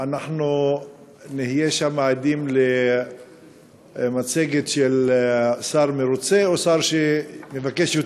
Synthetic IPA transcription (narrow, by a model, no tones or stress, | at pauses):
anaχnu | nehijeʃamaːd̪imle | mat͡seɡet̪ʃelsaʁmeɾut͡seosaʁʃemevakeʃjo